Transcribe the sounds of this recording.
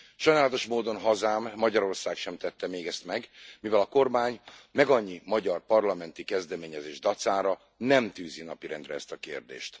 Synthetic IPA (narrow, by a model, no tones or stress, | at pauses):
ʃɒjnaːlɒt̪o̞ʃmoːd̪o̞nɦɒzaːmːɒɟɒɾo̞rsaːkʃɛmt̪ɛt̪ːɛmeːɡɛst̪mɛɡmivɛlɒko̞rmaːɲmɛɡɒɲːimɒɟɒrpɒrlɒmɛnt̪ikɛzd̪ɛmeːɲɛzeːʒd̪ɒt̪saːɾɒ | nɛmt̪yːzinɒpiɾɛ̰nd̪rɛɛst̪ɒkḛːrd̪ḛːʃt̪